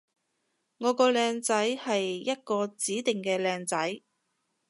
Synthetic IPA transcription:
ŋɔː˨˧kɔː˧lɛː˧ŋt͡sɐ˨˥jhɐ˨jːɐ˥t̚kɔː˧t͡siː˨˥t̪ɪ˨ŋkɛː˧lɛː˧ŋt͡sɐ˨˥j

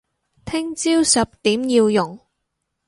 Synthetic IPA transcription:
t̪ʰɪ˥ŋt͡siː˥wsɐ˨p̚t̪iː˨˥mjiː˧wjʊ˨˩ŋ

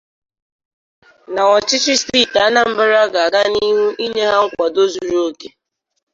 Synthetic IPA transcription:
na˨ɔ˨t͡ʃɪ˦t͡ʃɪ˦sti˦˨ta˦na˦m̩˦bɪ˦ɾa˦ɡa˨a˨ɡa˦ni˦ɦu˦i˦ɲe˦ɦa˦ŋ̩˦kʷa˨do˦zu˨ɾu˦o˦ke˨

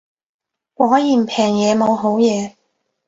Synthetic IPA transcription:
kʷɔː˨˥jiː˨˩mpʰɛː˨˩ŋjɛː˨˧mo˨˧wɦo˨˥wjɛː˨˧

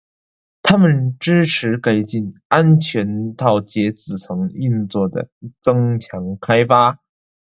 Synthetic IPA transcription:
t̪ʰa˥mə˨nʈ͡ʂɻ̩˥ʈ͡ʂʰɻ̩˧˥ke˨˩ɪt͡ɕi˥˩na˥nt͡ɕʰɥɛ˧˥nt̪ʰɑ˥˩ʊt͡ɕjɛ˧˥t͡sɹ̩˨˩t͡sʰɤ˧˥ŋi˥˧nt͡swɔ˥˩d̪ə̰˩t͡sɤ˥ŋt͡ɕʰjɑ˧˥ŋkʰa˥ɪfa˥

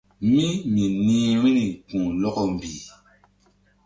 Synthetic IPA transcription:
mĩ˦mĩ˨nĩː˦ɾĩ˦ni˨kũ˨lɔ˦kɔ˦m̩˨bi˨

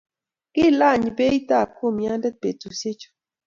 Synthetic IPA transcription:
kɪ˦˨la˦˨ɲ˨be˦i˦ta˦˨ko˦˨mja˦ndɛ˦pe˨tu˨se˦t͡ʃo̥˦

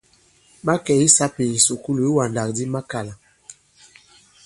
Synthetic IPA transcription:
ma˦kɛ˨i˦sa˦pi˨n̩˨su˨ku˦lu˨i˦wa˨nda˨kdi˦ma˦ka˨la˨

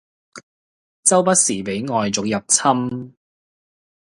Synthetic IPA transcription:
t͡sɐ˥wpɐ˥t̚siː˨˩pe˨˥jŋɔː˨jt͡sʊ˨k̚jɐ˨p̚t͡sʰɐ˥m

